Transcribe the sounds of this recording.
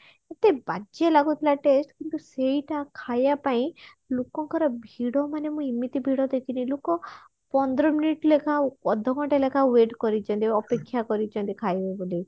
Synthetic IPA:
et̪ebad͡ʒelaɡut̪ʰilaʈesʈkint̪usejʈakʰajapaĩ | lokɔŋkɔɾɔbʱiɽɔmanemũimːit̪ibʱiɽɔd̪ekʰinĩlokɔ | pɔnd̪ɾɔminiʈlekʰaɔd̪ʱɔɡɔʈelekʰaweʈkɔɾit͡ʃʰɔnt̪iɔpekʰːjakɔɾit͡ʃʰɔnt̪ikʰajbeboli

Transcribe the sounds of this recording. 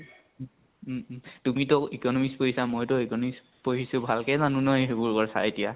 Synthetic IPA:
tumitɔikɔnɔmispoɦisamojtɔikɔnɔmis | poɦisʊbʱalkɛzanunɔjɦebʊɹkɔɹsa̰etija

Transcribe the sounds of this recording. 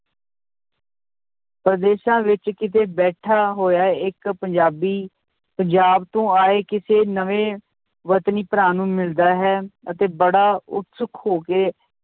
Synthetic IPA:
pɾəd̪eːʃãːʋɪt͡ʃkɪt̪ʰeːbɛːʈʰaːɦoːjaːɛɪkpəɲd͡ʒaːbiː | pəɲd͡ʒaːbt̪õːaːeːkɪseːnəʋẽː | ʋət̪niːpəɾãːnũːmɪld̪aːɦɛːət̪eːbəɽaːʊ̰t̪səkʰhoːkeː

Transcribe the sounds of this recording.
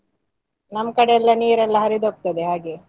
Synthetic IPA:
nɐmːkɐɽeɛlːɐniːɾɛlːɐɦɐɾid̪oːk̚t̪ɐd̪eɦaːɡe

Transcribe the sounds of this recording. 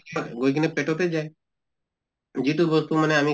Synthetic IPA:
ɡoik̬inepeʈot̪̬ed͡ʒaːe | jiʈuːbʋəst̪uməneaːmĩ

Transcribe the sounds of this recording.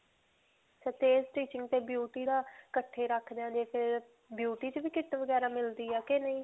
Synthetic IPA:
t͡ʃɛːt̪eːsʈiːt͡ʃɪ̃ŋɡt̪eːbjuːʈiːd̪aːkəʈʰːeːɾəkʰd̪ãːnd̪eːpʰɪɾ | bjuːʈiːt͡ʃʋiːkɪʈʋəɡɛːɾaːmɪld̪iːɛːkenəĩː

